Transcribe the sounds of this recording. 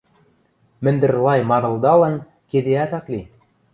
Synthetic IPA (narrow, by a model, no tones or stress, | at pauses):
mɘ̆nd̪ɘ̆ɾlˠɑjmɑnɤ̆lˠd̪ɑlˠɤ̆n | ked̪eæt̪ɑklʲi